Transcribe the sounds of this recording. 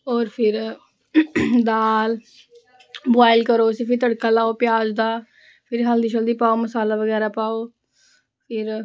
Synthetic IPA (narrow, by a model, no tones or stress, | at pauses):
ɔːɾpʰɪɾ | d̪aːl | boaːɪlkəɾoːsɪpʰɪt̪əɽkaːlaːoːpɪjaːd͡ʒd̪aː | pʰɪɾɦəld̪iːʃəld̪iːpaːoːməsaːlaːʋəɡɛːɾaːpaːoː | pʰɪɾ